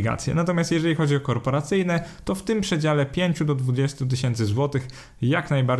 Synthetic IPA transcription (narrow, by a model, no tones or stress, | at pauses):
ɡa̰t̪sʲjɛ̰nat̪ɔmʲjast̪jɛʐɛlʲixɔd͡ʑiɔkɔɾpɔɾat̪sɘjnɛt̪ɔft̪ɘmpʂɛd͡ʑalɛpʲjeɲt͡ɕud̪ɔd̪vud͡ʑɛst̪ut̪̬ɘɕɛnt̪sɘzwɔt̪ɘx | jaknajbaɾ